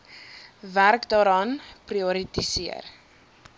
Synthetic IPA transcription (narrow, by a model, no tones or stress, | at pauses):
værkdɑːɾɑːnpriɔɾitisiə̰r